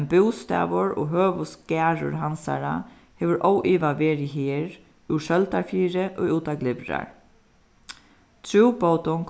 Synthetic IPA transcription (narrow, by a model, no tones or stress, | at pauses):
nbuwst̪ɛ̰ːʋʊɹo̰ɦøːʋʊskæːɹʊ̰ɾɦansa̰ɾa̰ | heːʋəɾʔowʔiːʋaʋeːɾɪɦiːɾ | ʉʃœlt̪aɹfiːɾɪʔouːt̪aɡlɪʋɾa̰ɹ | t̪ʰɾuwpowt̪ʊŋk